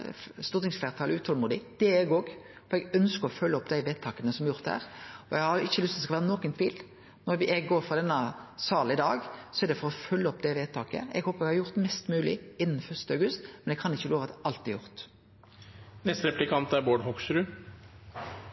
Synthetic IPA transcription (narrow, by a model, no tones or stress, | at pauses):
st̪uːʁt̪ɪŋsflæːɾt̪ʰɑːlʉːt̪hɔlmuːd̪ɪd̪̥ɛɛɡoːɡfɔɾɛɡœnskəɾɔfœlːəɔpd̪æɪʋeːt̪ʰːɑːkənəsɔmɑɾjʊʁt̪d̪əhæ̰ːʁɔɛɡhɑɾʊɪçːəlʉst̪ɔd̪ɛskɑʋæːʁənɔkənt̪ʰʋiːl | nɔɾʋɪɛɡɡoːɾfʁɑd̪ɛnːəsɑːlɪd̪ɑːɡsɔɛɾd̪ɛfɔɾɔfœlːəɔpd̪ɛʋeːt̪ʰːɑːkə̰ɛ̰ɡhoːpəɾɛɡhɑɾjʊʁt̪mɛst̪mʉːlɪ̰ɪnːnfœʁst̪əɑʉɡʉst̪mɛnɛkʰɑnɪçːəloːʋɑt̪ɑlt̪ːɪjʊɾt̪ | nɛst̪ɾɛplɪkʰɑnt̪æɾboːɖɦɔksɾʉ